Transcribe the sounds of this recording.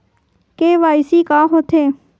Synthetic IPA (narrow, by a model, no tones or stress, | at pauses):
keːʋaːɪsiːkãːɦoːt̪ʰeː